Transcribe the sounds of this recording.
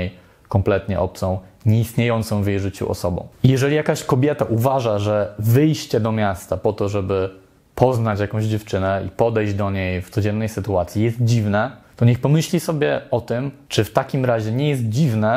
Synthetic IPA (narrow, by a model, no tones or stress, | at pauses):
ej | kɔmplɛt̪ɲɛ̰ʔɔp̚t̪sɔ̃w̃ɲɛist̪ɲejɔnt̪sɔ̃w̃vʲjejʐɘt͡ɕṵʔɔ̰sɔbɔ̰̃w̃ijɛʐɛlʲijakaɕkɔbʲjɛt̪aʔuvaʐaʐɛvɘjɕt͡ɕɛd̪ɔmʲjast̪apɔt̪ɔʐɛbɘ | pʰɔznat͡ɕjakɔ̃w̃ʑd͡ʑɛft͡ʂɘnɛipɔd̪ɛjʑd͡ʑd̪ɔɲejft̪sɔd͡ʑɛnːɛjsɘt̪uat̪sʲjijɛst̪̚d͡ʑivnɛt̪ɔɲɛxpɔmɘɕlʲisɔbʲjɛɔt̪ɘmt͡ʂɘft̪akʲimɾaʑɛɲɛjɛst̪̚d͡ʑivnɛ